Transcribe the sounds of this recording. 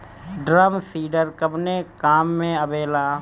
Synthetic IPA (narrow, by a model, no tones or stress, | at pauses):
ɖɾəmsiːɖəɾkəbnekaːmːẽəbeːlaː